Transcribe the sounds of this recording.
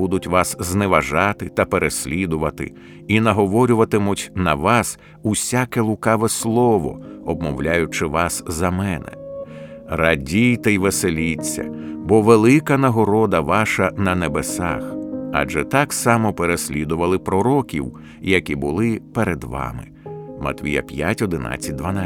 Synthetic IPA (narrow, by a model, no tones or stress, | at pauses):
bud̪ʊtʲʋɑszneʋɐʒɑt̪ɪt̪ɐpeɾesʲlʲid̪ʊʋɐt̪ɪ̰ | inɐɦɔʋɔɾʲʊʋɐt̪ɪmʊtʲnɐʋɑs | usʲakɛlˠʊkɑʋɛslˠɔʋɔ̰ɔb̚mɔwlʲajʊt͡ʃɪʋɑszɐmɛnɛ̰ | rɐdʲijt̪ɛjʋeselʲit͡sʲːɐ̰bɔʋelˠɪkɐnɐɦɔɾɔd̪ɐʋɑʃɐnɐnebesɑ̰xɑ̰ʒɛt̪ɑksɑmɔpeɾesʲlʲid̪ʊʋɐlˠɪpɾɔɾɔkʲḭw | jɐkʲibʊlˠɪpeɾed̪ʋɑ̰mɪ̰ | mɐ̰t̪ʋʲḭjɐ̰pʲjatʲɔd̪ɪna̰t͡sʲːɐt̚ʲd̪ʋɐna